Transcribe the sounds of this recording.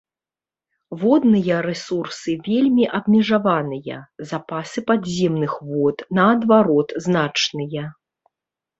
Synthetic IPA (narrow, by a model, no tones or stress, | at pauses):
vɔd̪nɨjɐɾɛsursɨvʲelʲmʲiʔɐbmʲɛʐavanɨjɐ̰zapasɨpadzʲɛmnɨxvɔt̪nɐːd̪vaɾɔt̪znat͡ʂnɨjɐ